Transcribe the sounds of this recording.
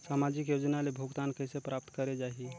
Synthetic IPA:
samad͡ʒikjod͡ʒnalebʱuɡt̪ankəjsepɾap̚t̪kəɾed͡ʒaɦi

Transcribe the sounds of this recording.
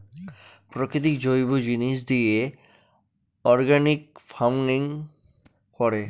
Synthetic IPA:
pɾokɾit̪̬ikd͡ʑojbod͡ʑiniʃ̬d̪ije | ɔɾɡanikfʰawniŋ | kɔɾe

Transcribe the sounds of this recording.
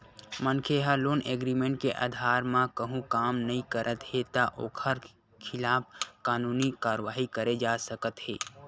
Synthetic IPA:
mənkʰeɦəloːneːɡɾimẽɳʈkeʔa̰d̪ʱaːɾmãkəɦũkaːmnəɦĩkəɾʔət̪het̪aʔoːkʰəɾ | kʰɪlaːp̚ʰkaːnuːnikaːɾʋaːɦikəɾed͡ʒaːsəkət̪ɦeː

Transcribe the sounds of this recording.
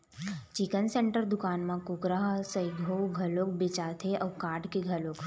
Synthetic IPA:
t͡ʃikənseɳʈəɾd̪ʊkaːnmãkukɾaɦsəiɡʱowɡʱɐlok̚bɪt͡ʃaːt̪ʰeʔɔːkaːɾɖkeɡʱɐloːk

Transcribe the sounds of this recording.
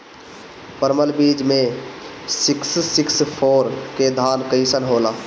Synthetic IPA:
pəɾməlbiːd͡ʒmẽ | sɪkssɪkspʰoːɾked̪ʱaːnkəɪsənɦoːla

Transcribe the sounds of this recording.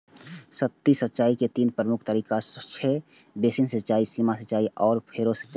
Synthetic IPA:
sət̪ːisətːʃaːiket̪iːnpɾəmʊkʰt̪əɾiːkast͡ʃʰe | beːsinsət͡ʃaːisimasɐtt͡ʃaːiʔɔːɾpʰeːɾosə̥tːʃa

